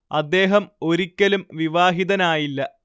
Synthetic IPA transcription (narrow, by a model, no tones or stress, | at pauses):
ɐd̪ːe̞ːɦɐmo̞ɾikʲːɐlumʋiʋaːɦiðɐnaːjilːɐ